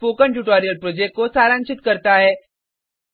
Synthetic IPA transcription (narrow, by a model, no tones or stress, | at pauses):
poːkəɳʈuʈaːɾijəlpɾoːd͡ʑeːk̚kosaːɾãnt͡ʃʰɪt̪kəɾt̪aɦeː